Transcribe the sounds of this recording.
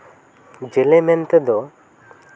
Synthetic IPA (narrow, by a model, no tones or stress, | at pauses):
d͡ʒelemɛnt̪d̪ɔ